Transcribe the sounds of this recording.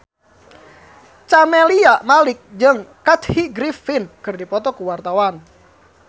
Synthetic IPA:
t͡ʃamɛliaʔmalɪk̚d͡ʒəŋkat̪hiɡɾifɪnkɨrdipɔt̪ɔkuwart̪awan

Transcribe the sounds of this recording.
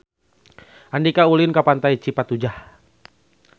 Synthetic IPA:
ʔandikaulɪnkapant̪ait͡ʃipat̪ud͡ʒah

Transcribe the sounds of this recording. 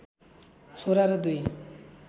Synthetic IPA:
soɾaɾɯd̪uj

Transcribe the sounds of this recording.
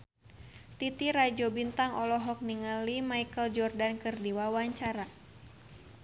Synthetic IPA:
t̪it̪iɾad͡ʒɔbint̪aŋɔlɔɦɔk̚niŋalimajkəld͡ʒɔrdankɨrdiwawaɲt͡ʃaɾa

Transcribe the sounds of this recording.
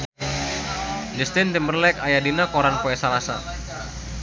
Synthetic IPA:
d͡ʒəst̪ɪnt̪imərlɛkajadinakoɾanpoɛsalasa̰

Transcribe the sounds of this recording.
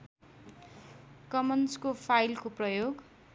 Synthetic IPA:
kʌmʌnskopʰajlkoprʌjoɡ

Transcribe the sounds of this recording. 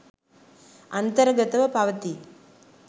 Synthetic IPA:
ɐnt̪ɐɾɡɐt̪ɐʋɐpaːʋɐt̪i

